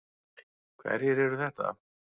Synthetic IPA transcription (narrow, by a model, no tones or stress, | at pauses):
kʰvɛ̰ɾjɛɾɛɾʏθɛht̪a̰